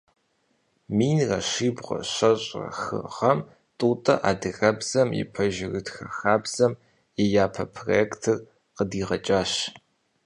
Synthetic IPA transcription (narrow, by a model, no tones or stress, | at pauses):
miːnrɐɕiːbʁʷɐ̰ɕɐɕʼɐ̰xɨ̰ʁɐm | tʼuːtʼɐ̰ʔaːdɨɣɐbz̥ɐmjɪ̰pʰɐʒɪrɨtxɐxaːbz̥ɐm | ejaːpʰɐpʰroɛktʰɨr | qədiːʁɐt͡ʃʼaːɕ